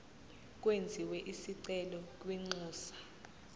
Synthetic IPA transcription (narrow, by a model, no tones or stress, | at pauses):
k̬ʼwend͡zʱiwɛʔisiǀɛlɔk̬ʼwiŋ͡ǀuːsḁ